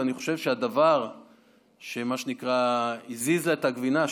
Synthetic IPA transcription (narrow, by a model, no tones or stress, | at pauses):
aniχo̞ʃe̞vʃead̪avaʁ | ʃe̞maʃenikʁaizizlaet̪haɡvina